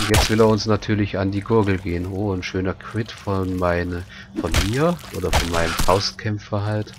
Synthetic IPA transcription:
ʔʊntjɛt͡stv̥ɪleːɐʊnsnatʰyːɐlɪçandiːɡʊɐɡl̩ɡeːənoːnʃøːnɐkʰv̥ɪtfɔnmaɪn | fɔnmiːɐʔʔo̰ːdɐfɔnmaɪnəmfaʊst̚kʰɛmfɐɦalt

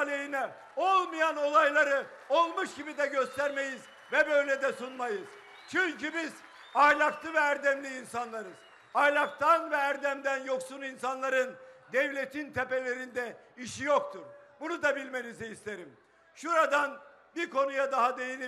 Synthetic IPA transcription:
lʲejinɛ | o̞lˠmijano̞lˠajlˠaɾɯ | olˠmuʃɟibid̪ɛɟøst̪ʰæɾme̞jiz | vɛbø̞jlʲɛd̪ɛsunmajɯz̥ | t͡ʃʰyɲcybiz | ajlʲˠaklˠɯvɛæɾd̪ɛmlʲiːnsanlˠaɾɯz̥ | ajlʲˠak̚t̪ʰanvɛæɾd̪æmd̪ænjo̞ksuninsanlˠaɾɯnd̪ɛvlʲe̞t̪ʰint̪ʰepe̞lʲe̞ɾind̪ɛiʃijokt̪ʰuɾbunud̪abilʲme̞niziist̪ʰeɾim | ʃuɾad̪an | biɾkʰo̞nujad̪aɦad̪e̞jini

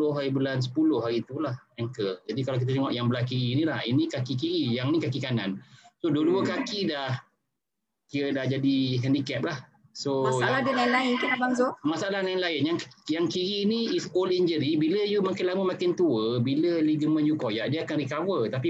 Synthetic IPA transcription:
ʊhɦaɾibəlans̬ə̥pulʊhɦaɾiːt̪ulahɛŋkəd͡ʒadikalawk̬it̪ət̪əŋɔʔjaŋbəlahkiɾiːnilahḭnikakik̬iɾijaŋnikakikanansoduəduəkakidah | kiədahd͡ʒadiɦɛndikɛp̚lah | somaaladənaɪnlaɪnkənabaŋsʊmasaalanaɪnlaɪnjaŋjaŋkiɾiniisoliɲd͡ʒəɾibiləjumakɪnlaməmakɪnt̪uəbiləliɡəmə̃njukojaʔdiəakanrikavət̪api

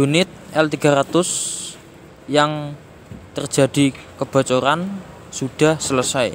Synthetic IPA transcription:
d̥unɪt̪̚ʔɛlt̪iɡ̥a̤ɾat̪ʊs | jaŋ | t̪ərd͡ʒ̥ä̤d̥i̤kəb̥a̤t͡ʃoɾan | suɖ̥a̤hsələsaj

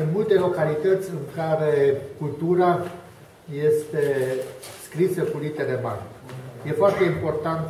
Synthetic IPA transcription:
ɨnmult̪e̞lo̞kalit̪ət̪sʲɨŋkaɾekult̪uɾa | je̞st̪e̞skɾisəkulit̪eɾema̰nje̞foart̪e̞impo̞rt̪ant̪

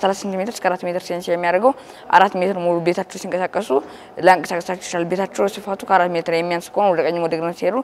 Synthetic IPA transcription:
səlasasɨnt̪imet̪ʰɾɨskʰəaɾat̪ːmet̪ɨɾsiensijɛmːijaɾəɡəw | ʔa̰ɾat̪ːmet̪ʰɨɾmolube̞t̪ʰat͡ʃːɛwsiŋkʼəsakʼːəsu | ləŋkʼəsakʼəsat͡ʃːɛ̥t͡ʃlalbe̞t̪ʰat͡ʃːɛwsifat̪ʰukʰəaɾat̪ːmet̪ʰɨɾjɛmːijansɨ̥kʰoonwɔd̪əkʼəɲːmwɔd̪əɡnəsied̪u

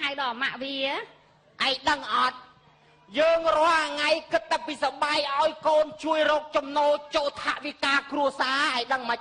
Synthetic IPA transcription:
awɗɑːmaʔʋiə | ʔaɛjɗəŋʔɑt̪̚ | jəːŋrŏəlʔaŋajkɨt̪ːapiːsaɓajʔaɔjkoːnt͡ɕuəjrɔːk̚t͡ɕɑmnoːlt͡ɕoːlt̪ʰaʔʋikaːkruəsaːʔaɛjɗəŋməc̚

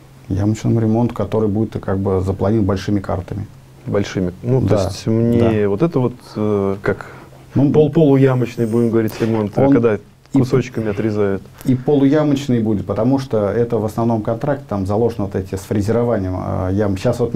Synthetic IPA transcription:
ja̰mət͡ɕnəmʊɾʲɪmo̞nt̪ʊ̥kɐt̪o̞ɾɨjbudʲɪt̪kaɡ̚bɨzəplˠɐnʲibɐlʲʂɨmʲɪka̰rt̪əmʲɪ | bɐlʲʂɨmʲɪnutd̪oasʲtʲmnʲevo̞t̪ɛt̪əvo̞t̪əkak | nopolˠpolˠʊjamət͡ɕnɨjbudʲɪmɡəvɐɾʲitʲɾʲɪmo̞nt̪okɐɡd̪a | ikʊsot͡ɕkəmʲɪɐt̪ɾʲɪzajʊt̪ | ipolˠʊjamət͡ɕnɨjbudʲɪt̪̚pət̪ɐmuʂt̪oɛt̪əvəsnɐvno̞mkɐnt̪ɾak̚tʲɪt̪amzɐlˠo̞ʐənvt̪ɛtʲɪsfɾʲɪzʲɪɾɐvanʲɪjəmə̰jamɕːasvo̞t̪

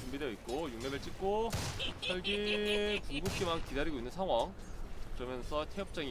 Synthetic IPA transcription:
t͡ɕumbideoit̚k͈ojuŋɲebɯɭt͡ɕ͈ik̚k͈osʰʌɭɡipuŋɡup̚k͈imankidaɾiɡoinːɯnsʰaŋɦwaŋ | kɯɾʌmjʌnsʰʌtʰeʌp̚t͡ɕ͈aŋi

